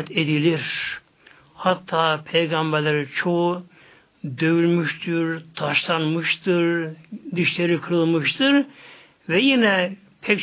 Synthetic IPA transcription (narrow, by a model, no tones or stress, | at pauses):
t̪ʰed̪ilʲiɾ | hat̪ʰːaːpʰejɡambæɾlʲeɾit͡ʃʰo | d̪øvylʲmyʃt̪ʰiɾt̪ʰaʃlˠanmɯʃt̪ʰɯɾd̪iʃlʲeɾikʰɯlˠmɯʃt̪ʰɯɾ | vɛjinɛ | pʰɛk